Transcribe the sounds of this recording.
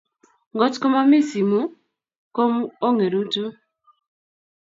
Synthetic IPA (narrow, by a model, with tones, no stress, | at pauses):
ŋ˨ɡɔ˦tkɔ˦ma˦mi˦si˨mu˦ | ko˦m˦o˦ŋe˨ɾu˦tu˦